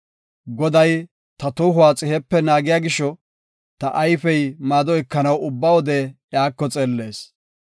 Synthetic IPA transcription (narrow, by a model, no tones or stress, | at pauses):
ɡɔd̪ɐj | t̪ɐt̪uːɦʊwaːt͡sʼɪhɛpːɛnaːɡɪjaːɡɪʃːɔ | t̪ɐʔɐjfɛjmaːd̪ɔɛkːɐnɐwʊbːɐwɔd̪ɛjaːkːɔt͡sʼeːlːe̞ːs